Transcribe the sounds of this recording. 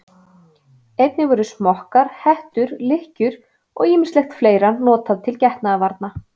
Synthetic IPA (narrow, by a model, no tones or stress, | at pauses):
ejt̪nɪvɔɾʏsmɔhkaɾ̥hɛht̪ʏɾlɪhcʏɾ | ɔ̰ɣiːmɪnslɛxt̪fleːjɾannɔːt̪aðt̪ʰɪlcɛht̪naavaɾt̪na